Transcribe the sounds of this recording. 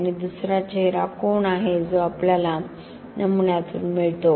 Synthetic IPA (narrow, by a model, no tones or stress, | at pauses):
nid̪usɾat͡ɕeɦɾakonaɦed͡zoapljala | nəmunjat̪ṵːnmiɭt̪o